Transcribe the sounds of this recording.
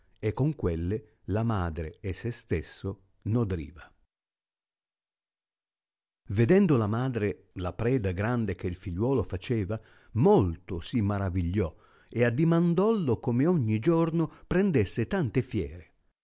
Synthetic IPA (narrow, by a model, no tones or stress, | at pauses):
ekːoŋkwelːe | lamaːd̪ɾeːsest̪esːo | nod̪ɾḭːva | ved̪ɛnd̪olamaːd̪ɾe | lapɾɛːd̪aɡɾand̪ek̟eilfiʎːwɔːlofat͡ʃeːva | molt̪osimaɾaviʎːɔ | ead̪ːimand̪ɔlːokomeoɲːid͡ʒornopɾɛnd̪esːet̪ant̪efjɛ̰ːɾe